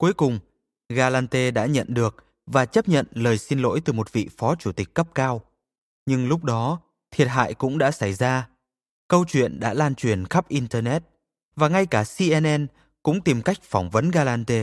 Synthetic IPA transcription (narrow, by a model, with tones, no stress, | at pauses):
ku˨˦jkʊ˨˩ŋ͡m | ɣaː˧laː˧nt̪e˧ɗa̰ː˧˥ɲə̰˧˨nɗɨ˨˩ək̚ | vaː˨˩t͡ɕə˦˥p̚ɲə̰˧˨nləː˨˩jsi˧nlo̰˧˥jt̪ɨ˨˩mo˨˩t̚vḭ˧˨fɔ˨˦t͡ɕu˧˩t̪ï˨˩k̟̚ːə˦˥p̚kaː˧w | ɲɨ˧ŋlʊ˦˥k͡p̚ɗɔ˨˦ | t̪ʰi˨˩ət̚ɦa̰ː˧˨jkʊ̰˧˥ŋ͡mɗa̰ː˧˥sa˧˩jzaː˧ | kə˧wt͡ɕwḭ˧˨ənɗa̰ː˧˥laː˧˩nt͡ɕwi˧˩ənxa˦˥p̚ʔi˧nt̪əː˧nɛ˦˥t̚ | vaː˨˩ŋa˧jkaː˧˩si˧ʔɛ˧nʔɛ˧n | kʊ̰˧˥ŋ͡mt̪i˨˩mka˦˥jk̟̚fɔ˧˩wŋ͡mvə˨˦nɣaː˧laː˧nt̪e˧